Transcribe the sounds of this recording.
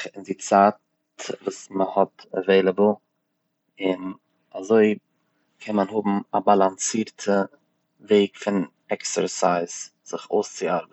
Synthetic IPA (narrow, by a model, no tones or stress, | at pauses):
ɪndɪt͡saːt | vuːsməhɔtɛveɪlˠəbl̩ˠ | ɪn | azoɪ | kʰɛnmanhʊbm̩abalˠant͡siːɾtʰə | veɪkfɪn | ɛksəɾsaɪzz̥ɪχoːst͡sɪaɾb